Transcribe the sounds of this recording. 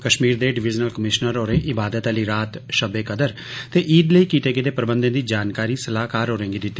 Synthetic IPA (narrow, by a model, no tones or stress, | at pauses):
kəʃmiːɾd̪eːɖɪʋɪd͡ʒnəlkəmɪʃnəɾoːɾeːʔɪbaːd̪ət̪aliːɾaːt̪ʃəbeːkəd̪əɾ | t̪eːʔiːɖləiːkiːt̪eːked̪eːpɾəbənd̪ə̃nd̪iːd͡ʒaːnkaːɾiːsəlaːkaːɾɦoːɾɛ̃ːŋɡiːd̪ɪt̪ːi